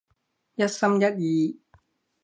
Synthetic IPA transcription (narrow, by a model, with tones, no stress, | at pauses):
jɐ˥t̚sɐ˥mjɐ˦˥t̚jiː˨˧